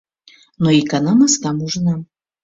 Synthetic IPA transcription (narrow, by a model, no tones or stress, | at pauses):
nɔikanamaskamɔʐna